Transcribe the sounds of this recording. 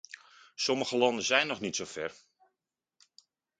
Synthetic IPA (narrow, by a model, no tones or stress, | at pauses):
sɔməɣəlɑndəzɛjnːɔχnitsofɛr